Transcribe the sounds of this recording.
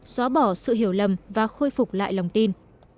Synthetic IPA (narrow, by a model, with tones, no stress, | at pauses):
sɔː˨˦ɓɔ˧˩sɨ̰˧˨ɦi˧˩əwlə˨˩mvaː˨˩xoː˧jfʊ˨˩k͡p̚la̰ː˧˨jla˨˩wŋ͡mt̪i˧n